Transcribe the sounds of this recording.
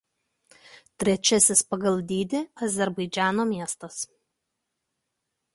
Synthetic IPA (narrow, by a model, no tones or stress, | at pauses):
t̪ʲɾʲɛt͡ʃʲɛsʲɪspɐɡɐlˠd̪ʲiːd̪ʲɪɐzʲɛɾbɐɪd͡ʒʲæːnoːmʲiɛst̪ɐs